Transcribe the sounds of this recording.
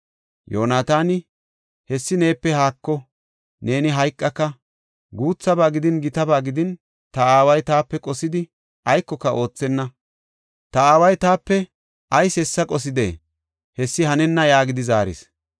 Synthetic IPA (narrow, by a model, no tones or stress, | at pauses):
jo̰ːnaːt̪aːnɪ | hɛsːɪne̞ːpːɛhaːkːɔ | ne̞ːnɪɦɐjkʼːɐkːɐ | ɡuːt͡sːɐbaːɡɪd̪ɪnɡɪt̪ɐbaːɡɪd̪ɪn | t̪ɐaːwɐjt̪aːpːɛkʼɔsɪd̪ɪ | ʔɐjkːɔkːɐʔo̞ːt͡sːɛnːɐ | t̪ɐaːwɐjt̪aːpːɛ | ʔɐjsɛsːɐkʼɔs̬ɪd̪ḛː | hɛsːɪhɐnɛnːɐjaːɡɪd̪ɪzaːɾɪ̰s